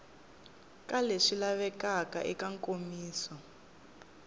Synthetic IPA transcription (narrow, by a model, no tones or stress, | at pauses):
kaleʃilaβɛkaka̰ʔikaŋkʼomiːsɔ